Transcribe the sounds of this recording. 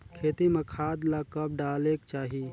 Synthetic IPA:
kʰeːt̪imekʰaːd̪lakəp̚ɖaːlekt͡ʃaːɦi

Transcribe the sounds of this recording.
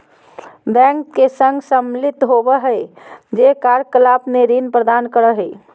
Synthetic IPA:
bɛ̃ːŋkkesə̃ŋɡsəmlɪt̪ɦobəɦɛd͡ʒeːkaːɾkəlaːpneɾinpɾəd̪aːnkəɾəɦɛː

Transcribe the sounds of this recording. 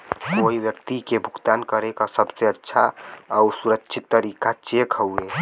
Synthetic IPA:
koːiʋwjəkt̪ikebʱʊɡt̪aːnkəɾekasəbseətːʃʰaausuɾəkʃʰit̪ːəɾikat͡ʃekʰɦəue

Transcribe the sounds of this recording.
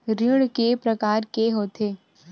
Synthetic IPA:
ɾiɽkepɾɐkaːɾkeɦoːt̪ʰeː

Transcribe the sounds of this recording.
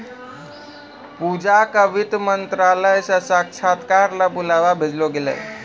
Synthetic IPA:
pud͡ʑakəʋit̪mənt̪ɾaləjsasakt͡ʃʰat̪kaɾlapulaʋabʱed͡zloɡelə̰j

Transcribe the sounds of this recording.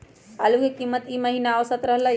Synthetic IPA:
aluɡekimːət̪iməɦinaːʋsat̪ɾəɦla

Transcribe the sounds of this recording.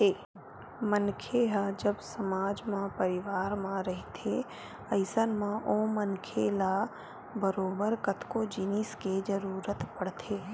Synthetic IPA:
eː | mənkʰeɦad͡ʒəbsəmaːd͡ʒmãpəɾɪʋaːɾmãɾəɦit̪ʰe | ɐɪsənmãʔõːmənkʰela | bəɾoːbəɾkət̪kod͡ʒɪnisked͡ʒəɾuːɾət̪pəɽt̪ʰeː

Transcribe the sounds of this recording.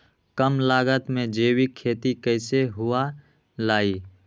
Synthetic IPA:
kəmlaːɡət̪mẽd͡ʒeːwikʰːeːt̪ikəɪseɦʊa | laːi

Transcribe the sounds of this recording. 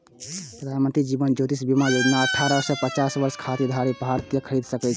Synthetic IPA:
pɾəd̪ʱanmənt̪ɾid͡ʒibənd͡ʒot̪isbimajod͡ʒnaəʈʰːaɾəsepət͡ʃasʋəɾskʰat̪id̪ʱaɾipɦaɾt̪ijəkʰəɾid̪səkɛt͡ʃʰ

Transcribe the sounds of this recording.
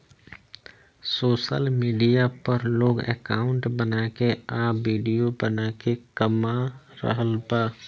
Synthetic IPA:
soːʃə̰lmiːɖijapəɾloːɡḛːkaːʊ̃ɳʈbənaːkeaːʋiːɖijobənaːkekəmaɾə̰ɦəlbaː

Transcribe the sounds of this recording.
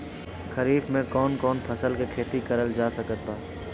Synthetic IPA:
kʰɐɾiːfmẽkɔːnkɔːnpʰɐsəlkekʰeːt̪ikɐɾəld͡ʒaːsɐkət̪̚baː

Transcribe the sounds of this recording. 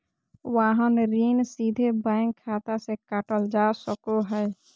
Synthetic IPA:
waːɦənɾiːnsiːd̪ʱebaɪŋkʰːaːt̪asekaʈəld͡ʒaːsəkoɦɛː

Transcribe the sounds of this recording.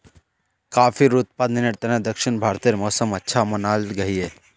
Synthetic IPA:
kaːfʰiɾuːt̪̚paːd̪nɪneɾt̪ɐnãd̪ɐkʃɪnbʱaːɾt̪iɾmɔːsəmɐtːʃʰamɐnaːlɡɐɦiɦɛː

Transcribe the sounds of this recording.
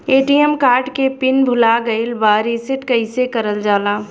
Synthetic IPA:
eːʈijəmkaːɾʈkepɪnbʱʊlaɡəɪlbaːɾisɪʈkəɪsekəɾəld͡ʒaːlaː

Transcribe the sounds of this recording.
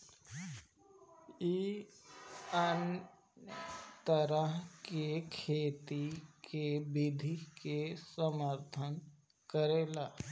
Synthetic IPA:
i | ən | t̪əɾəɦkekʰeːt̪ikebɪd̪ʱikesəməɾt̪ʰən | kəɾeːlaː

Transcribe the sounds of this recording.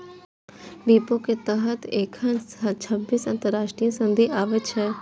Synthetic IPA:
biːpõket̪ɐɦət̪eːkʰənt͡ʃʰɐbːiːsɐ̃nt̪əɾːaːʃʈɾijə̃sɐ̃nd̪ʱiʔaːʋet͡ʃʰɛ

